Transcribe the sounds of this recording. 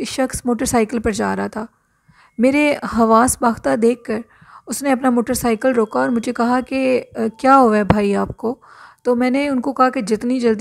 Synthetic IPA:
ʃɐxsmoːʈəɾsaːɪkəlpɐɾd͡ʒa̰ːɾɐɦat̪ʰaː | meːɾeɦɐʋaːsbaːxt̪ad̪eːkːɐɾ | ʊsneɐpnamoːʈəɾsaːɪkəlɾoːkaɔːɾmʊd͡ʒʱekɐɦakekjaːɦoabʱaːiaːp̚koːt̪oːmɛ̃ːneʊnkokɐɦaked͡ʒɪt̪nid͡ʒɐld̪

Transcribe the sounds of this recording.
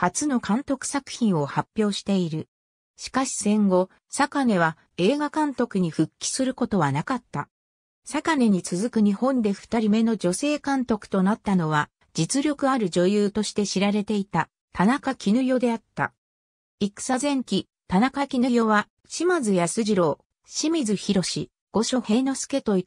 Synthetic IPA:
hat͡sɨno̞kãnt̪o̞kɯ̟̥sakɯ̟̥çĩɰ̃o̞hapʲːjo̞ːɕi̥t̪e̞iɾɯ̟ | ɕi̥kaɕi̥sẽ̞ŋɡo̞ | sakane̞βa | e̞ːɡakãnt̪o̞kɯɲ̟iɸɯ̟kʲːi̥sɨɾɯ̟ko̞t̪o̞βanakat̪ːa | sakane̞ɲ̟it͡sɨzɨkɯɲ̟ihõ̞nd̪e̞ɸɯ̥t̪aɾʲime̞no̞d͡ʑo̞se̞ːkãnt̪o̞kɯ̥t̪o̞nat̪ːano̞βa | d͡ʑit͡sɨɾʲjo̞kɯ̟aɾɯ̟ʑo̞jɯːt̪o̞ɕi̥t̪e̞ɕiɾaɾe̞t̪e̞it̪a | t̪anakakʲinɯ̟jo̞d̪e̞at̪ːa̰ | ikɯ̟̥sazẽ̞ŋkʲi | t̪anakakʲinɯ̟jo̞βa | ɕimazɨjasɨʑiɾo̞ː | ɕimʲizɨçiɾo̞ɕi | ɡ̥o̞ɕo̞he̞no̞sɨ̥ke̞t̪o̞i

